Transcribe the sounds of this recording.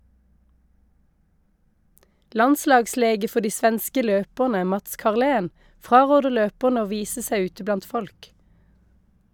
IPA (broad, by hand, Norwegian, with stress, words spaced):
ˈlɑnˌslɑːɡˌsleːɡə ˈfɔ ˈdiː ˈsʋɛnskə ˈløːpəʁnə ˈmɑts kɑʁˈleːn ˈfʁɑːˌʁoːdə ˈløːpəʁnə ˈoː ˈʋiːsə ˈsæɪ ˈʉːtə ˈblɑnt ˈfɔlk